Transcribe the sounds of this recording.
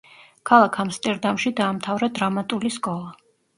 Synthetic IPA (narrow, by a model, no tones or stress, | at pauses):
kʰalˠakʰamst̪ʼɛɾd̪amʃid̪aːmt̪ʰavɾad̪ɾamat̪ʼuliskʼɔlˠa